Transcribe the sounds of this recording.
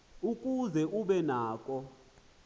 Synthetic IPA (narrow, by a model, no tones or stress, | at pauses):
ukʼuzɛʔuɓɛnaːk̬ʼɔ